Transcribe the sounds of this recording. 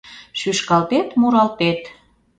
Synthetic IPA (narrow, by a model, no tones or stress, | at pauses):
ʃyʃkɑlt̪et̪muɾɑlt̪et̪